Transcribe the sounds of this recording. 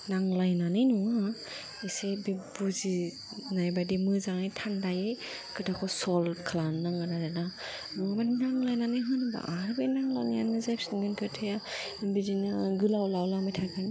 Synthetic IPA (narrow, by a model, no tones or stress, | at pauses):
naŋlajnanɯjnɔŋa | esebebuzi | najbadimɯzaŋajtʰandajɯ | kʰɯdakʰɔsɔlkʰlanːɯŋɡɯnazana | nɔŋbaninaŋlajnanɯjɦɯnba̰ʔaɾbenaŋla̰wnija̰nmɯzajpsnɡɯnkʰɯtʰɯja | bizinɯɡɯlawlawlamɯjtʰakʰɯn